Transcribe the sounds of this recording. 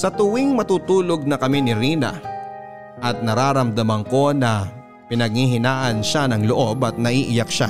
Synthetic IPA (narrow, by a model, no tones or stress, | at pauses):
sɐt̪ʊwiŋmɐt̪uːt̪uːloɡ̚nɐkɐmɛnɪɾiːnɐ̰ | ʔɐt̪̚nɐɾaːɾɐmd̪ɐmɐŋko̞nɐ | pɪnɐɡ̚hiɦɪnaːʔɐnʃanɐŋloʔo̞bɐt̪̚nɐʔiːʔɪjak̚ʃa̰